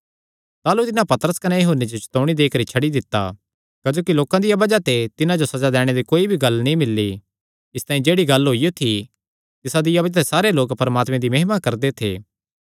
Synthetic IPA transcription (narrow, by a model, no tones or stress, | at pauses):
t̪aːlut̪ɪnãpɐt̪əɾəskɐnɛjɐɦuːnːed͡ʒot͡ʃɐ̥t̪oːɽ̃id̪eːkəɾit͡ʃʰɐɽid̪ɪt̪ːa̰ | kɐd͡ʒoːkiloːkãd̪ɪjabɐd͡ʒat̪et̪ɪnãd͡ʒosɐd͡ʒad̪ɛːɽ̃ed̪ikoːibʱiɡɐlnĩmɪlːi | ɪst̪aːĩd͡ʒeːɽiɡɐlɦoijot̪ʰi | t̪ɪsad̪ɪjabɐd͡ʒat̪esaːɾeloːkpɐɾmaːt̪mẽd̪imɐɦɪmakɐɾd̪et̪ʰḛː